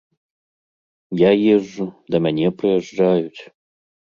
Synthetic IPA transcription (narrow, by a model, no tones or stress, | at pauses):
jajeʐːud̪ɐmɐnʲeprɨjɛʐd͡ʒajut͡sʲ